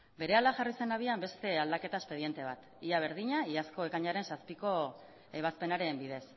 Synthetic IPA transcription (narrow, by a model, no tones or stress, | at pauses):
be̞ɾe̞ald̪aʝarise̞naβiambe̞st̪e̞ald̪ake̞t̪ae̞spe̞ðje̞nt̪e̞β̞at̪ | iaβ̞e̞ɾðiɲaiasko̞e̞kaɲaɾe̞nsaspiko̞ | e̞β̞aspe̞naɾe̞mbið̞e̞s